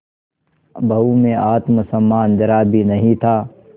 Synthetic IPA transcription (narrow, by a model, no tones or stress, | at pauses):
bʱɐɦumẽʔaːt̪məsɐmːaːnd̪ɐɾaːbʱinɐɦĩt̪ʰaː